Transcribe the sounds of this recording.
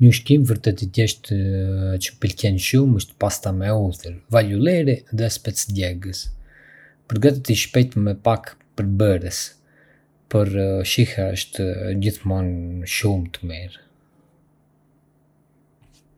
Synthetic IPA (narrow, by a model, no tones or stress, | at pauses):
ɲəuʃkimvəɾt̪ɛt̪id̪ɛʃt̪ | t͡ʃə̥pəlkɛnʃuməʃt̪past̪amɛuθəɾvaʎulɛɾiðɛspɛt͡sdɛɡəs | pəɾɡat̪it̪iʃpɛjt̪mɛpak | pəɾbəɾɛs | pəɾʃihaəʃt̪əd͡ʑiθmɔnʃumt̪əmiɾ